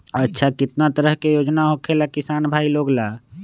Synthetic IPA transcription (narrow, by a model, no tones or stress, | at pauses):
ətːʃʰakɪt̪nat̪əɾəɦkejoːd͡ʒnaɦokʰelakɪsaːnbʱaːiloːɡlaː